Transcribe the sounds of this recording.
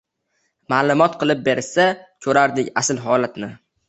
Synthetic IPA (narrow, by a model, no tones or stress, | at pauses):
maːlˠʊmɒt̪qʰɨlˠɪp̚be̞ɾsakʰɵɾaɾd̪ɪkʲasɪlɦɒlat̪nɪ